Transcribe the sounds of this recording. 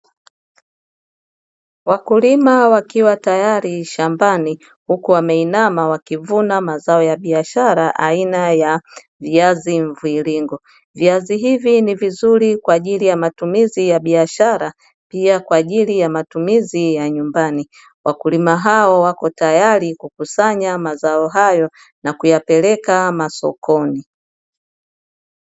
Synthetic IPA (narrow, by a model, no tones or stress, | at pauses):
wakulimawakiwatajaɾiʃambani | hukuwamɛinamawakivunamazaɔjaɓiaʃaɾaʔainaja | viaziɱ̩vuiliŋɡɔ | viaziɦivinivizuɾikwaːʄilijamatumizijaɓiaʃaɾa | piakwaːʄilijamatumizijaɲumbani | wakulimaɦaɔwakɔtajaɾikukusaɲamazaɔɦajɔ | nakujapɛlɛkamasɔ̰kʰɔni